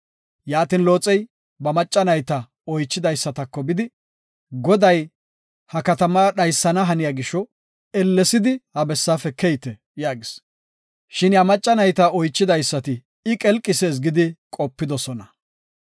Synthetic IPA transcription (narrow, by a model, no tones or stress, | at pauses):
jaːt̪ɪnlo̞ːt͡sʼɛj | bɐmɐt͡ʃʼːɐnɐjt̪ɐ | ɔjt͡ʃːɪd̪ɐjsːɐt̪ɐkːɔbɪd̪ɪ | ɡɔd̪ɐj | hɐkɐt̪ɐmɐɗɐjsːɐnɐɦɐnɪjaːɡɪʃːɔ | ɛlːɛsɪd̪ɪhɐbɛsːaːfɛkɛjt̪ɛ | jaːɡɪs | ʃɪnjɐmɐt͡ʃʼːɐnɐjt̪aɔjt͡ʃːɪd̪ɐjsːɐt̪ɪ | ɪkʼɛlkʼːɪseːs̬ɡɪd̪ɪkʼɔpːɪd̪ɔsɔnɐ